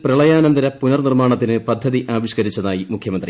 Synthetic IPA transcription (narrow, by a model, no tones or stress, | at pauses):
prɐɭɐjaːnɐnd̪ɐɾɐpunɐrnirmaːɳɐt̪ːinɨpɐd̪ʱːɐðiʔaːʋiɕkɐɾit͡ɕːɐðaːjimukʰjɐmɐnd̪rḭ